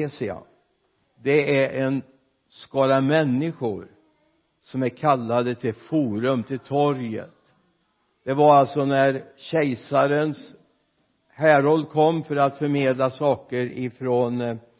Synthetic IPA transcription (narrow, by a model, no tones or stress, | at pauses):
eːsɪa̰ | d̪ɛæɾʔɛn | skɑːɾamɛnːɪɧʊ̰ɾ | sɔmæɾkʰalːad̪ət̪ʰɪlfuːɾɵmt̪ʰɪlt̪ʰɔɾjə̰t̪ | d̪̥ɛvaɾalt̪sɔnæɾɕɛjsaɾəns | hæːɾɔlːkʰɔmːfœɾat̪fœɾmeːd̪lasɑːkəɾɪfɾon